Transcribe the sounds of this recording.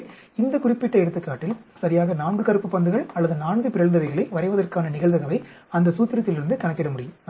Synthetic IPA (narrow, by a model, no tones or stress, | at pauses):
ɪnd̪ɐkʊrɪpːɪʈːɐɛɽɯt̪ːɯkːaːʈːɪlsɐɾɪjaːɣɐnaːɳɡɯkɐɾɯpːɯpːɐnd̪ɯɣɐɭɐlːɐðɯnaːɳɡɯpɪɾɐɭnd̪ɐʋɐɪɣɐɭɐɪʋɐɾɐɪʋɐðɐrkaːnɐnɪɣɐɭðɐɣɐʋɐɪ | ɐnd̪ɐsuːt̪ːɪɾɐt̪ːɪlɪɾɯnd̪ɯkɐnɐkːɪɽɐmʊɽɪjɯm